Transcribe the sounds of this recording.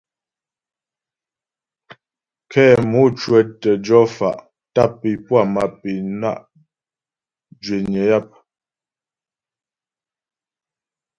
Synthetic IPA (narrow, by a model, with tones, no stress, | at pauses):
kʰɛː˦˨mu˦t͡ʃwə˦tə˨d͡ʒɔ˦fa̰˨ʔ | ta˦˨pːi˨pwa˦˨ma˨pi˨na̰˦˨ʔ | d͡ʒɥe˨ɲə˨˦ja˦˨p̚